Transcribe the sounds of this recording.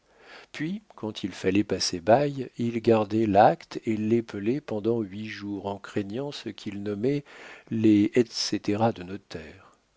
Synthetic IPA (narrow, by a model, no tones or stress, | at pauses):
pɥikɑ̃t̪ʰilfalɛpasebajilɡaʁd̪ɛlakt̪elɛpʰəlɛpɑ̃d̪ɑ̃ɥiʒuʁɑ̃kχeɲɑ̃səkʰʲilnɔmɛleɛt̪set̪eʁad̪ənɔt̪ɛːʁ